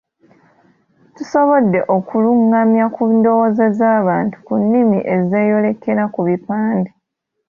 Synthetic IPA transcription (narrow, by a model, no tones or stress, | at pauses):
tuso̞βo̞dːe̞ʔo̞kuluŋɡamjakundo̞wozezaːβaːntu̥kunːimḭʔe̞ze̞ːjo̞le̞ke̞ɾakuβipaːndi